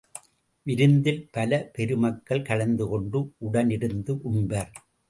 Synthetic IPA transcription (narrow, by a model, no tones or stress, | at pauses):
ʋɪɾɯnd̪ɪlpɐlɐpɛɾɯmɐkːɐɭkɐɭɐnd̪ɯkɔɳɖɯʔʊɽɐnɪɾɯnd̪ɯʔʊɳbɐɾ